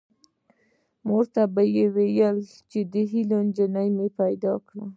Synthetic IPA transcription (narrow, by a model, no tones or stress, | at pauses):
moɾt̪abajewejəl | t͡ʃed̪əɦilond͡ʒənəjmepajd̪ɑkɽa